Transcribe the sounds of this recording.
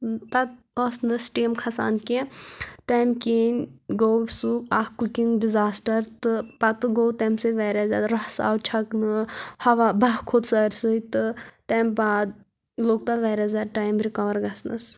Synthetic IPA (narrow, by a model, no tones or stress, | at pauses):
t̪ɐt̪̚ː | snɨsʈeːmkʰɐsa̰ːnkẽt̪ɛmkʲiːnʲɡowsuahkukiŋɡɖizaːsʈɐɾt̪ɨpɐt̪ɨɡoːt̪ɛmsɨʋɛːɾʲazʲaːɾɐhsa̰ːwt͡ʃʰɐknɨhɐʋabaɦkʰot̪sɐɾʲsɨit̪ɨt̪ɛːmbaːd̪̚ | loːɡ̚t̪ɐt̪ʋɛːɾʲazaʈaːjmɾikɐʋɐɾɡɐsnɐ̰s